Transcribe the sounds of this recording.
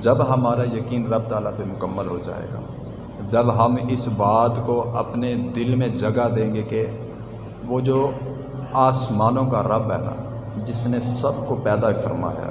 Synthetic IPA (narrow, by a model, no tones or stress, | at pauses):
d͡ʒɐbɦɐmaːɾajəkiːnɾɐb̚t̪aːlapemʊkəmːəlɦod͡ʒa̰ːḛːɡa̰ː | d͡ʒɐbɦɐmɪsbaːd̪koɐpned̪ɪlmẽd͡ʒɐɡad̪ẽːŋɡeke | ʋoːd͡ʒoː | aːsmaːnõkaɾɐbɦɛ̰ːna̰ | d͡ʒɪsnesɐbkopɛːd̪afʰə̰ɾma̰ːja̰ː